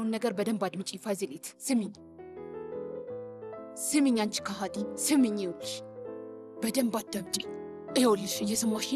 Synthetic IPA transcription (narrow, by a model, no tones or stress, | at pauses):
wnːəɡəɾbəd̪əmbad̪mɨt͡ʃʼifajzelet̪ʰsɨmɨɲː | sɨmɨɲːant͡ʃi̥kʰaɦat̪ʼisɨmɨɲːɛwɔlːɨʃ | b̥əd̪əmbat̚d̪əβd̪i | jɛwɔlːɨʃɨjɛsɨmwaʃɪ